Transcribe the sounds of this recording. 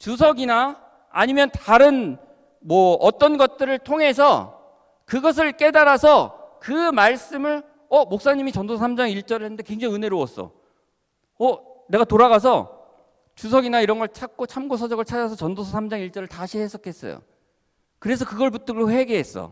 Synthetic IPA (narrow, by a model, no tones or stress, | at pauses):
t͡ɕus̬ʰʌɡina | a̰ɲimjʌntaɾɯn | mwʌʌt͈ʌnɡʌt̚t͈ɯɾɯɭtʰoŋe̞s̬ʰʌ | kɯɡʌs̬ʰɯɭk͈e̞daɾasʰʌkɯmaɭs͈ɯmɯɭ | ʌmok̚s͈aɲimit͡ɕʌndosʰsʰamd͡ʑaŋiɭt͡ɕ͈ʌɾɯɭɦenːɯnde̞kwe̞ŋd͡ʑaŋɯne̞ɾoʌs͈ʌ̰ | ʌne̞ɡatoɾaɣasʰʌ | t͡ɕus̬ʰʌɡinaiɾʌnɡʌɭt͡ɕʰak̚k͈ot͡ɕʰamɡosʰʌd͡ʑʌɡɯɭt͡ɕʰad͡ʑas̬ʰʌt͡ɕʌndosʰʌsʰamd͡ʑaŋiɭt͡ɕ͈ʌɾɯɭtaɕʰiɦes͈ʰʌk͈ʰes͈ʌ̰jo̰ | kɯɾe̞sʰʌkɯɡʌɭput͈ɯɡɾoɸe̞ɡeɦe̞s͈ʌ̰